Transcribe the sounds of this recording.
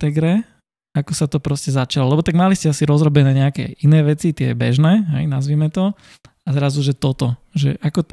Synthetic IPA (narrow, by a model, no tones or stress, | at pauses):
t̪ɛɡɾɛ | akɔsat̪ɔpɾɔscɛzat͡ʃalɔlɛbɔt̪aɡmaliscɛasiɾɔzɾɔbɛnɛːɲɛakɛ̰ʔinɛːʋɛt͡sit̪ɪɛ̰bɛ̰ʒnɛːɦɛ̰jnazʋimɛt̪ɔ | azɾazuʒɛt̪ɔt̪ɔʒɛ̰ʔakɔ